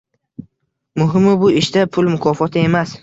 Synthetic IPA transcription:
mʊɦɪmɪbʊɪʃd̪apʰʊlˠmʊkʰɒfɒt̪ʰɪe̞mas

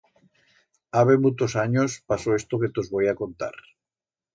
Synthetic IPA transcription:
aβemut̪osaɲospasoest̪oket̪ozβojakont̪a̰ɾ

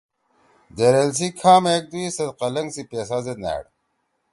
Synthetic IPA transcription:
d̪eɾels̬ikʰaːmeːk̚d̪uisɐd̪qɐlɐŋɡsipeːsazed̪næ̰ːɽ

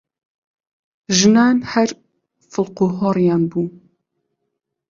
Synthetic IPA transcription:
ʒɨnaːnhɛɾ | fɨlquɦɔːɾijaːnbuː

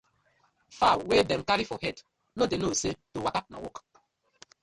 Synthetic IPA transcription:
fawedɛ̃mkaɹifɔhɛt | nodenosetowakat̚na̰wɔ̰k

